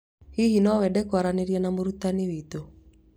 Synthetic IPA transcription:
hihinɔwɛdɛkwaɾaneɾjɛnamoɾut̪aniwit̪o

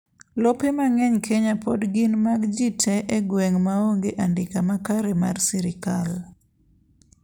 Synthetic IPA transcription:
lɔpemaŋɛɲkʰeɲapodɡinmaɡd͡ʒitʰeʔeɡweŋmaoŋɡeʔandɪkamakaɾɛma̰rsiɾɪkal

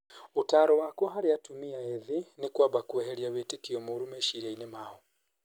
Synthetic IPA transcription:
utaɾɔwakuɦaɾiatumiaeðinikwaβakuɛɦeɾiaβitikiomuɾumɛʃiɾainemahɔ

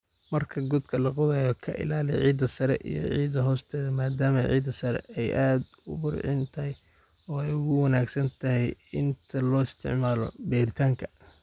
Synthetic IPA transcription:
mɐrkʰɐɡʊd̪kʰɐlɐqʊðaːjɔkʰɐʔɪ̰laːlɪʕiːd̪ɐsɐɾɛ̰ʔḭjɔ̰ʕiːðɐɦɔːst̪ʰɛːðɐmaːd̪aːmɐʕḭːd̪ɐsɐɾɛ̰ɛjʔaːd̪ | ʊ̰bʊrʕɪ̰nt̪ʰɐɦɛj | ɔːɛjʊɣʊwɐnaːɡsɐnt̪ʰɐɦɛjɪnt̪ʰɐlɔːɪst̪ʰɪ̰ʕmaːlɔ̰bɛːɾɪt̪ʰaːŋkʰɐ

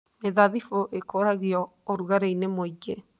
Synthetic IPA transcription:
meðaðifoʔekoɾaɣiɔ | oɾuɣaɾeinemoid͡ʒe

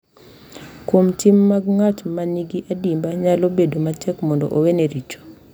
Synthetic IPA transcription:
komtimːaɡŋatmaniɡiʔadimbaɲalobedomatʰɛkmɔndɔʔoweneɾit͡ʃo̥

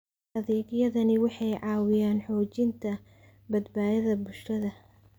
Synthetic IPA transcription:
ɐðɛːɡjɐðɐnɪwɑħɑjʕɑːwɪjaːnħɔːt͡ʃɪnt̪ʰɐ | bɐd̪baːðɐðɐbʊʃɐðɐ

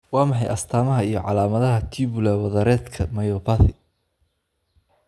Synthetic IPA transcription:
wɑːmɑħɑjʔɐst̪ʰaːmɐɦɐijɞʕɑlaːmɐðɐɦɐt̪ʰiːβʊlɛwɐðɐɾɛːd̪kʰɐmɐjɔpʰaθɪ

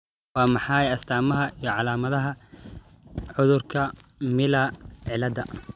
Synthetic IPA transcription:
wɑːmɑħɑːjɐst̪ʰaːmɐɦɐʔijɔʕɑlaːmɐðɐɦɐ | ʕʊðʊrkʰɐmɪlɐʕɪlɐd̪ɐ

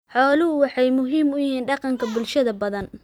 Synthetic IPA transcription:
ħɔːlʊɦʊwɑħɑjmʊɦiːmʊjɪɦiːnɖɑqɑŋkʰɐbʊlʃɐðɐbɐðɐn

